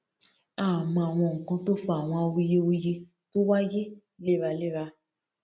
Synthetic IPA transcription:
a˦˨mɔ̃˧˨a˨w̃ɔ̃˧˨ŋ̩˨kã˧to˦fɔ˦a˨w̃ɔ̃˧a˧wi˧je˦wi˧je˧ | to˦wa˦je˦ | le˦˨ɾa˧le˦˨ɾa˧

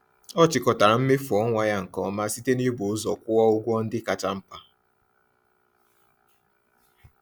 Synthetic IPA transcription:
ɔ˦t͡ʃɪ˨kɔ˨ta˨ɾa˨m̩˦me˦fɔ˦ŋʷa˨ja˦ŋ̩˨kɔ˦ma˦si˦te˦ni˦bo˨ʊ˦zɔ˨kʷʊ˦ɔ˦ʊ˦ɡʷɔ˦n̩˦dɪ˦ka˨t͡ʃa˦m̩˦pa˦

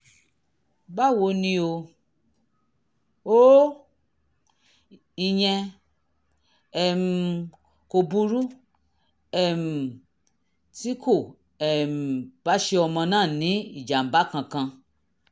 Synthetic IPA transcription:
ba˦˨wo˧˦nĩ˧o˧ | o˦ | i˧jɛ̃˧ | ɛ˨m˧ | ko˧bu˧ɾu˦ | ɛ˨m̩˨ | ti˦kʰo˦˨ | ɛ˨m̩˨ba˨˦ʃe˧ɔ˧mã˧nãː˦˨nĩ˨˦i˦˨d͡ʒa˨m̩˨ba˦kã˧kã˧

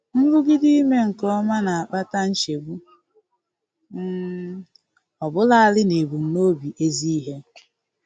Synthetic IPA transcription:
ŋ̩˦ɡʊ˦ɡɪ˦di˦i˦me˦ŋ̩˨kɔ˦ma˦na˨k͡pa˦ta˦n̩˦t͡ʃe˨bu˦ | m̩˦ | ɔ˨bʊ˦la˦a˦˨lɪ˦ne˨bu˨n̩˦no˦bi˨ʔe˦zi˦i˦ɦe˦

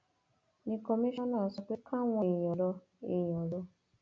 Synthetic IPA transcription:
nĩ˧kɔ˧mi˦ʃɔ̃˦nãː˦˨sɔ˨k͡pe˦kʰa˦ŋʷɔ̃˧˨jɔ˨lɔ˧ | e˨j̃ɔ˨lɔ˧

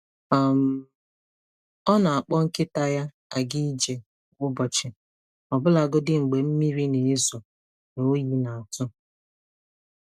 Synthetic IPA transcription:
a˨m̩˨ | ɔ˦na˨a˨k͡pɔ˦ŋ̩˦kɪ˦ta˦ja˦ | a˨ɡi˦i˦d͡ʒe˨ | ɡʊ˦bɔ˨t͡ʃɪ˨ | ɔ˨bʊ˦la˨ɡʊ˦dɪ˦ŋ͡m̩˨ɡ͡be˨m̩˦mi˦ɾi˦ne˨ɪ˦zʊ˨ | no˨˦ji˦na˨a˨tʊ˦

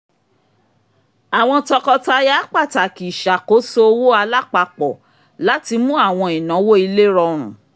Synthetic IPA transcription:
a˨w̃ɔ̃˧tɔ˧kɔ˧ta˧˦˧ja˦k͡pa˦˨ta˨ki˨ʃa˨ko˨˦so˦o˧wo˦a˧la˦k͡pa˧k͡pɔ˨ | la˨˦ti˧mũ˦a˦˨w̃ɔ̃˧i˨nã˨˦wo˦i˧le˦ɾɔ˧ɾ̃ũ˨

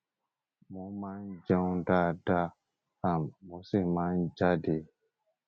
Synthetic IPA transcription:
mõ˨˦mã˦n˦d͡ʒã˦ũ˦da˦da˦ | a˨mːõ˨˦se˦˨mã˦n˦d͡ʒa˦de˨˦

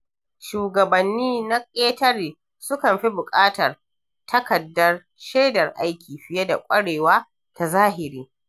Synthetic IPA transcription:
ʃuː˨ɡɐ˨bɐ˨nːiː˦na˦kʲʼeː˦tɐ˦ɽiː˨ | sʊ˦kɐ˨mɸi˦bʊ˨kʼaː˦tɐ˨r | tʰɐ˦kɐ˨dːɐ˦r | ʃeː˦dɐ˨rʔa˦jkʲiː˨ɸɪ˨je˦da̰˨kʷʼɐ˦ɽeː˨waː˦ | ta˨zaː˦ɦɪ˨ɾiː˦

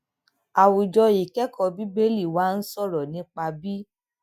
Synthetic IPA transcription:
a˨wu˨d͡ʒɔ˧i˨kɛ˦kɔ˦˧bi˦be˦li˦˨wa˨˦n̩˦sɔ˦˨ɾɔ˨nĩ˨˦k͡pa˧bi˦

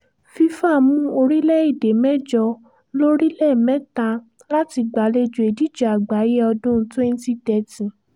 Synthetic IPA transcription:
fi˧fa˦˨mũũ˦o˧ɾi˦lɛ˦i˦˨de˨mɛ˦d͡ʒɔ˧ | lo˦ɾi˦lɛ˦˨mɛ̃˦ta˧ | la˦ti˧ɡ͡ba˨˦le˧d͡ʒu˨e˨di˦d͡ʒa˨a˨ɡ͡ba˨˦je˦ɔ˧dũ˦twɛ˦n˦ti˦˨tɛ˧tĩ˨

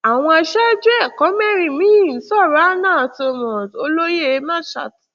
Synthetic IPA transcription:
a˨w̃ɔ̃˧a˧ʃa˦d͡ʒɛ˦˨kɔ̃˨˦mɛ˦˨ɾĩ˨mĩ˦i˦˨n̩˨˦sɔ˦˨ɾa˨˦nãː˦˨so˧mɔ̃˨so˧lo˦je˦˨˦mã˦˨ʃa̰˨t

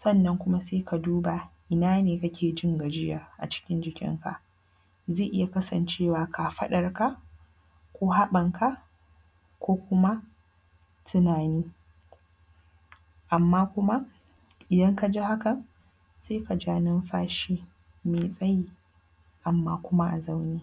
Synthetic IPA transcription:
sɔ˦˨nːɐ˦ŋkʷʊ˦ma˦seː˦ka˨duː˦ba˨ʔɪ˨naː˦neː˨ka˦kʲʰeː˨d͡ʒɪ˦ŋɡa˨d͡ʒɪ˦jɐ˨rʔa̰˨t͡ʃɪ̥˦kʲɪ˦nd͡ʒɪ˨kʲɪ̰˦ŋka̰˨ʔ | zeː˦˨ʔɪ˦ja˨kɐ˦sɐ˨nt͡ʃeː˦˨waː˨ka˨ɸɐ˦ɗɐ˨rka˦ | kʷu˦ɦa˦ɓɐ˨ŋka˦ʔ | kʷoː˦kʷʊ˦ma˦ | tʰɪ˨naː˨niː˦ | ʔa˨mːaː˦kʷʊ˦ma˦ | ʔɪ˨dɐ˦ŋka˨d͡ʒi˦ha˦kɐ˨n | seː˦ka˨d͡ʒaː˦nɪ˦mɸaː˦ʃiː˦ | meː˨sʼɐ˦ji˦ | ʔa˨mːaː˦kʷʊ˦ma˦ʔa˨za˦wniː˦

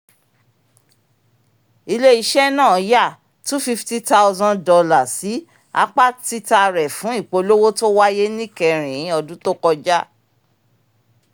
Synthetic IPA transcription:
i˧le˦i˧ʃɛ˦nã˦˨˦ja˦˨ | tu˦fi˦fti˦ta˦wzã˧ndɔ˧la˨si˨˦ | a̰˦k͡pa˦ti˦ta˧ɾɛ˨fũ˨˦i˦˨k͡po˨˧lo˦wo˦to˦wa˦je˦nĩ˦˨kɛ˧ɾ̃ĩ˨˦ɔ˧dũ˦to˦kɔ˧d͡ʒa˦

